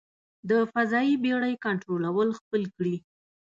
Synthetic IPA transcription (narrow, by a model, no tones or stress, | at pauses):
d̪əfazɑjibeɽəjkaɳʈɾolawəlxpəlkɽi